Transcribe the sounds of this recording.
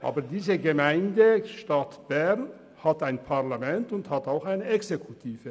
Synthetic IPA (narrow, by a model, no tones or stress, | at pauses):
ʔa̰ːbədiːzəɡəmaɪndəʃtatb̥ɛʁn | hataɪnpʰaʁlamɛntʊnthataʊxaɪnəɛksekʰutʰiːvə